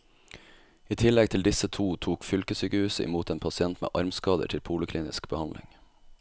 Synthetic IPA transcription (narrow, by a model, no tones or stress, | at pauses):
iːt̪ʰɪlɛɡt̪ʰɪld̪ɪsət̪ʰuːt̪ʰuːkfʏlkəsʏkəhʉːsəʔɪ̰muːt̪eːnpʰɑsɪɛnt̪mḛːʔɑɾmskɑːd̪ə̰ʈʰɪlpʰuːlɪkʰliːnɪskb̥əhɑnlʔɪ̰ŋ